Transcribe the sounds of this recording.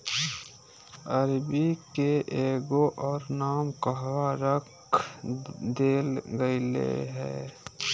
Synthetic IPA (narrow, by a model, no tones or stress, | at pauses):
əɾbikeʔeːɡoʔɔːɾnaːmkəɦʋaɾək | d̪eːlɡəilḛɦɛ̰ː